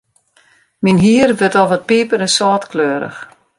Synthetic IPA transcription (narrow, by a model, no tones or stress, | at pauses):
minɦiːərʋətɔvɔt̚piːpəɾɛnsɔːtkløːɾə̰x